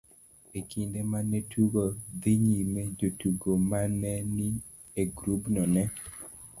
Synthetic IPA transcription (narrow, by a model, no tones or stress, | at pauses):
ekʰindemanetʰuɡod̪iɲimed͡ʒotuɡomanɛni | eɡɾubnɔnɛ